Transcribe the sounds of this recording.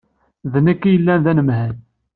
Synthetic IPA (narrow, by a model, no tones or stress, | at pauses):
ðnækːijəlːænðænəmhən